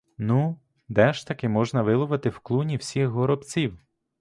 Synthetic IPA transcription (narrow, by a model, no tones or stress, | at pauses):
nu | d̪ɛʃt̪ɐkɪmɔʒnɐʋɪlˠʊʋɪt̪ɪwklˠunʲiwsʲixɦɔɾɔbt͡sʲiw